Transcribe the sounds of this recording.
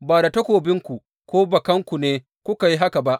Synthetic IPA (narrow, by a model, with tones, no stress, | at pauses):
baː˨da˨tɐ˦kʷoː˨bɪ˦ŋkʷu˨ | kʷoː˦bɐ˨kɐ˦ŋkʷu˨neː˦ | kʷʊ˦ka˨ji˦ɦa˦ka˨ba˦ʔ